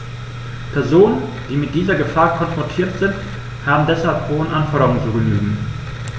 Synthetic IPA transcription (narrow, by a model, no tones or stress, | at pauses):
pʰɛɐzoːnən | d̥iːmɪt̚d̥iːzɐɡəfaːɐkʰɔnfʁ̥ɔntʰiːɐtz̥ɪnt | haːbm̩dɛshalphoːənʔanfɔɐɾɐʁʊŋt͡suːɡənyːɡŋ̩